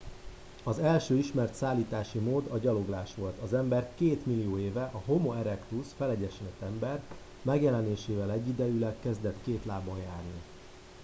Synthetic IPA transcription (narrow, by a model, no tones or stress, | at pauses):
ɒzɛlʃøːiʃmɛrt̪saːlːiːt̪aːʃimoːd̪ɒɟɒlo̞ɡlaːʃʋo̞lt̪ɒzɛmbɛrkeːt̪milijoːeːvɛʔɒɦo̞moɛɾɛkt̪usfɛlɛɟɛʃɛnɛt̪ɛmbɛr | mɛɡjɛlɛneːʃeːvɛlɛɟːid̪ɛjylɛkːɛzd̪ɛt̪keːt̪laːbɒnjaːrni